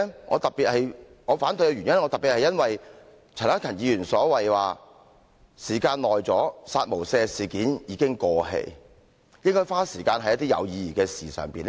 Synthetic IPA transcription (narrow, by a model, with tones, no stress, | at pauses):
ŋʔɔ̰˨˧t̪ɐ˨t̚piː˨t̚hɐ˨jŋɔː˨˧faː˨˥nt̪ɵ˧ɥkɛ˧ɥy˨˩ɲjɐ˥nŋɔː˨˧t̪ɐ˨piː˨t̚hɐ˨jɐ˥nwɐ˨j | t͡sʰɐ˨˩naː˥kʰɐ˨˩njiː˨˧jyː˨˩nsɔː˨˥wɐ˨jwaː˨ | siː˨˩kaː˧nlɔː˨˩jt͡sɔː˨˥saː˧t̚mo˨˩wsɛː˧siː˨kiː˨˥njiː˨˧kɪ˥ŋkɔː˧ɦḛ˧j | jɪ˥ŋkɔː˥jfaː˥siː˨˩kaː˧nhɐ˨˥jɐ˥t̪iː˥jɐ̰˨˧wjiː˧jiː˨kɛː˧siː˨sœ̰ː˨˩ŋpiː˨n